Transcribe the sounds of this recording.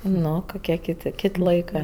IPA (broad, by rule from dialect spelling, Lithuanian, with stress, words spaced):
ˈnoː koːˈkʲiɛ ˈkʲɪtʲ ˈkʲɪtʲ ˈlˠɐɪkɜ